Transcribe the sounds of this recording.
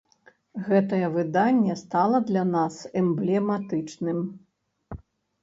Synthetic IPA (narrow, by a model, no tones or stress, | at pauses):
ɣɛt̪ɐjɛvɨd̪anʲːɛst̪alˠɐd̪lʲanasɛmblʲɛmat̪ɨt͡ʂnɨm